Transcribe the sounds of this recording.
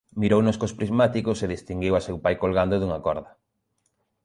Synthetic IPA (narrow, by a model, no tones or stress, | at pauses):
miɾownʊskospɾizmat̪ikoseðist̪iŋɡiwasewpajkolɣand̪oðuŋakɔɾðɐ